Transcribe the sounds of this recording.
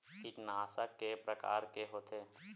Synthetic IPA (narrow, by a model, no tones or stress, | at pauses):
kɪt͡ʃnaːsakːepɾəka̰ːɾkeɦoːt̪ʰeː